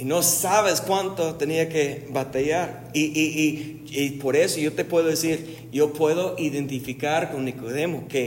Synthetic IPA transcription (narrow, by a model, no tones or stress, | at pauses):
ino̞saβeskwant̪ot̪eniake̞βat̪aʝaɾ | iʔiʔi | ipo̞ɾe̞sojo̞t̪e̞pwe̞ðoðesiɾ | jopwe̞ðo̞ʔiðent̪ifikaɾkonːikoð̞e̞moke̞